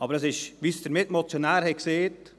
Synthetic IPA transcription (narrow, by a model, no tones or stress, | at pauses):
ʔɑbəɾɛsɪʃʋisd̥əɾmɪtmot͡sjonæːɾhɛkseːt